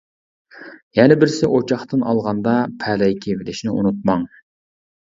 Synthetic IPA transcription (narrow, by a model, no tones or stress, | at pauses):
jɛnɪbɪɾsɪʔot͡ʃʰɑχt̪ɨnʔɑ̰lˠʁɑnd̪ɑpʰɛlɛjkʲʰevɪlɪʃnɪʔṵnut̪̚mɑŋ